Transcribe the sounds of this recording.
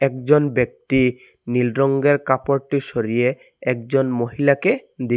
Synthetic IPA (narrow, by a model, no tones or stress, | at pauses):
ɛkd͡ʑonbek̚t̪i | nilɾoŋɡeɾkapoɾʈiʃoɾije | ɛk̚d͡ʑonmoɦilaked̪i